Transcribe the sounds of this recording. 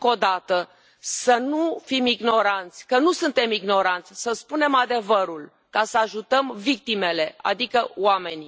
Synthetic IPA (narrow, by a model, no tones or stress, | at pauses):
ko̞d̪at̪ə | sənufimiɡno̞ɾant̪sʲkənusunt̪e̞miɡno̞ɾant̪sʲsəspune̞mad̪e̞vəɾul | kasəaʒut̪əmvik̚t̪ime̞le̞a̰d̪ikəwame̞nʲ